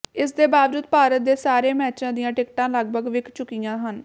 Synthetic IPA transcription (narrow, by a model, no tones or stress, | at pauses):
ɪsd̪eːbaːʋd͡ʒuːd̪paːɾət̪̚d̪eːsaːɾeːmɛːt͡ʃãːd̪ijãːʈɪkʈãːləɡ̚bʱəɡʋɪkʰt͡ʃʊkijãːɦən